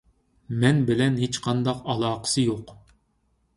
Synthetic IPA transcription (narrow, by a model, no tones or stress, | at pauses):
mɛnbɪlɛnɦet͡ʃqʰɑnd̪ɑqɑlˠɑːqʰə̥sɨjoq